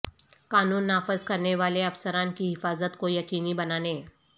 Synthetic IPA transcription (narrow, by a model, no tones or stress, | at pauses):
kanuːnːafəzkəɾneʋaleəfsəɾankiːɦɪfazət̪kojəkiːniːbənane